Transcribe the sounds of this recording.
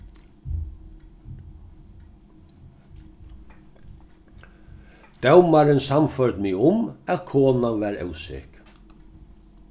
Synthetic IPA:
d̪̥ɛwmaɾɪnsamfœɾd̪mɪʊmæðkʰoːnaʋæːɾɛ̰wsḛːk

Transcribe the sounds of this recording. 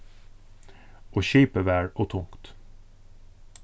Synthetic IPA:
ʔoːçiːpəʋæːɹoːt̪ʰʊŋkt̪

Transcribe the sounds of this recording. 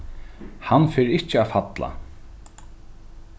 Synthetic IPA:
hanːfeːɾɪht͡ɕɪaːfat̪la̰

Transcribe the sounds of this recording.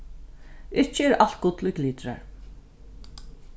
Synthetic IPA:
ɪht͡ʃːəɛɾal̥t̪̚ɡʊt̪lʊkliːt̪ɾa̰ɹ

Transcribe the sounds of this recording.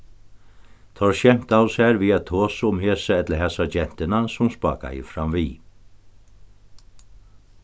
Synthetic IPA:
t̪ʰɔɹʃɛm̥t̪awshɛːɾviat̪ʰoːsəʊmheːsaɛt̪ləɦɛsad͡ʒɛn̥t̪ɪnasʊmspa̰ːka̰jɪ̰fɾamviː

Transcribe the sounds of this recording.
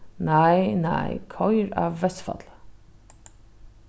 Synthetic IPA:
naɪnæ̰ɪkʰɔjɹɑ̰ːʋːɛsfɑ̰t̪l

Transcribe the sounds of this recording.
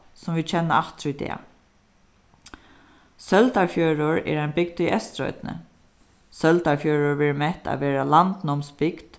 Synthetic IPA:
sʊmʋiːd̪t͡ɕʰɛnːa̰aft̪ɾʊjd̪ɛ̰ː | sœlt̪aɹfjøːɾʊɹɛ̰ɾajnbɪk̚t̪iɛst̪ɾɔ̰ʏt̪nə̰ | sœlt̪aɹfjœːɾʊɹʋɛːɹɪmɛht̪ʰa̰ʋɛːɾalant̪nɔmsbɪkt̪

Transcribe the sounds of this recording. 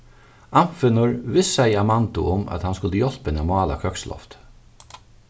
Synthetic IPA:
amfɪnʊɹvɪsːajamant̪ʊ̰ʊmæ̰t̪hanskʊlt̪əjɔl̥pɪnamɑːla̰kʰœkslʔɔ̰ft̪

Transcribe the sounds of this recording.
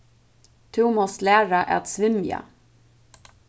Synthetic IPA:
t̪ʰʉːmɔst̪læːɹaʔæ̰t̪sʋɪmja̰

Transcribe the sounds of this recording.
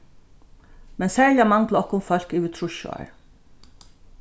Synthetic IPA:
mɛnsæːɹlɪamaŋkləɔhkːʊmfœl̥kiːʋɪt̪ʰɾʊʃʊ̰a̰ɹ

